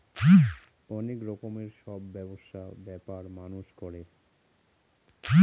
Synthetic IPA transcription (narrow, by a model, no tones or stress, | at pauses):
ɔnekɾɔkomeɾʃɔbːɛboʃabɛpaɾmanuʃkɔɾe